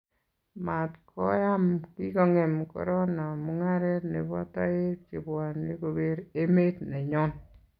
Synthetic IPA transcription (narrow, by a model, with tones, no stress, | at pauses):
ma˨tkɔ˦ja˦mki˦kɔ˨ŋe˨mkɔ̰˨ɾɔ˦na˨mu˦ŋa˦ɾɛ˦tne˨βɔ˦ta˦e˦t̚ki˨bwa˨ni˦ko˨be˦ɾe˦me˦tne˨ɲɔ˦n